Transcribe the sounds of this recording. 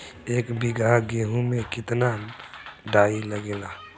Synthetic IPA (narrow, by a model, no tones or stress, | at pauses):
eːkbɪɡʱaɡeːɦũmẽkɪt̪na | ɖaːilɐɡeːlaː